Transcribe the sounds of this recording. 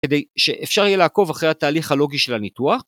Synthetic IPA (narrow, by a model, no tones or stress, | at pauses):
ed̪ejʃeʔefʃaʁjijelaːko̞vaχʁejhat̪aːliχhalo̞ɡiʃelanit̪uaχ